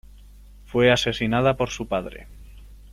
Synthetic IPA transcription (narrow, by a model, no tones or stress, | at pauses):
fwe̞ase̞sinað̞apo̞ɾsupaðɾe̞̰